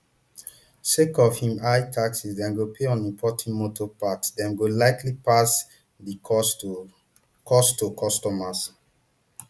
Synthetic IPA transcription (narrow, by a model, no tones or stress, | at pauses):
sekɔfhĩmajtʰaksisdɛ̃nɡopʰeɔ̃nĩmpʰɔtãnmotʰɔpatdɛ̃nɡolaɪklipas | di | kʰɔstukʰɔstɔmas